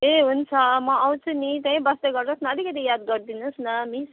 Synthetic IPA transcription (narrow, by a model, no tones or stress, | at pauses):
eɦunt͡sʰʌmʌaw̃t͡sʰunit̪ʌĩbʌst̪eɡʌrd̪ʌsnaʌd̪ikʌt̪ijad̪ɡʌrd̪inusnʌmis